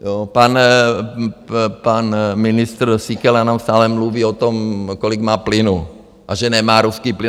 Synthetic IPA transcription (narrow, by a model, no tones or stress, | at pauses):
jopan | panminist̪ɾ̩sikɛlanamst̪aːlɛmluʋiːot̪omkoliɡmaːplɪnu | ʔaʒɛnɛmaːɾuskiːplɪ